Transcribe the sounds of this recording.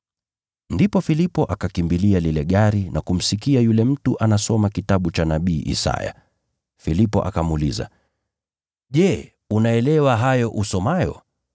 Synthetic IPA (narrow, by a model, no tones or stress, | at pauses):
ndipɔfilipɔʔakakimbilialilɛɠaɾinakum̩sikiajulɛm̩tuʔanasɔmakitaɓut͡ʃanaɓiːʔḭsa̰ja̰ | filipɔ̰ʔa̰kamuliza̰ | ʄɛ | unaɛlɛwaɦajɔʔusɔmajɔ̰